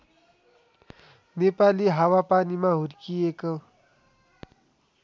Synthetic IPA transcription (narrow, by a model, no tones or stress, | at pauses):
nepaliɦawapaːnimãɦuɾkiekə